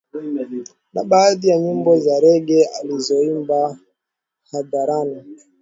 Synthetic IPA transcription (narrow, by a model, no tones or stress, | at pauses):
naɓaːðijaɲimbɔzaɾɛɡɛalizɔimba | hadaɾani